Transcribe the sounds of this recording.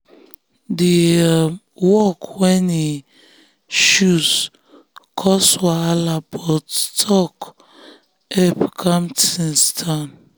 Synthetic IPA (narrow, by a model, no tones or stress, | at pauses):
di | wɔkwɛni | ʃus | kʰɔswaalabɔttʰɔk | ɛpkʰamtinstʰan